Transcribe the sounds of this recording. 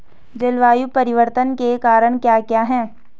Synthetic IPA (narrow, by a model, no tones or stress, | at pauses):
d͡ʒelʋaːjupɐɾɪʋəɾt̪ənkekaːɾəɽ̃kjaːkjaːɦɛ̃ː